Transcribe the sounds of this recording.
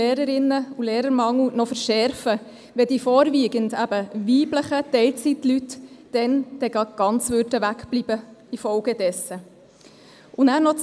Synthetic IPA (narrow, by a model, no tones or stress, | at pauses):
eːɾəɾɪnːəuleːɾəɾmɑŋl̩nɔfəɾʃɛɾfə | ʋɛd̥iːfɔːɾviːɡəndæb̥əʋiːbləχətɛɪlt͡sitlytd̥ɛnd̥ɛɡ̥ɑɡ̥ɑnt͡svʉrd̥əʋækb̥libəifɔlɡəd̥ɛsə | ʔunæːɾnɔt͡s